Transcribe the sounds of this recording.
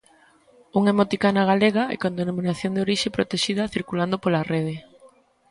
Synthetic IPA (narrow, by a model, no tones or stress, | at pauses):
uŋemot̪ikanaɣaleɣaɛ̰kõnd̪enomĩnaθjond̪eoɾiʃepɾot̪eʃiðɐθiɾkuland̪opolareð̞e